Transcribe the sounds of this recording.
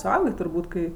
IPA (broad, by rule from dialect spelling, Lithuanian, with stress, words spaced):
sʊˈɐʊɡʲeː tʊrˈbuːt kɐɪ